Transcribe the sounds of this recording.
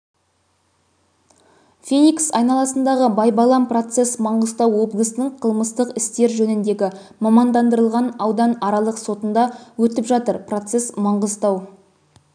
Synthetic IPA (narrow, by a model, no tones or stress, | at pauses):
fʲenʲiksɑjnɑlˠɑsənd̪ɑʁəbɑjbɑlˠɑmpro̞t̪se̞smɑɴʁəzt̪ɑwo̞blˠəsnəɴqʰəlˠməst̪əqɪst̪e̞ɾʒɵnɪnd̪e̞ɡʲɪ | mɑmɑnd̪ɑnd̪əɾəlˠʁɑnɑwd̪ɑnɑɾɑlˠəqso̞t̪ənd̪ɑwɵt̪ɪpʒɑt̪əɾpro̞t̪se̞smɑɴʁəzt̪ɑw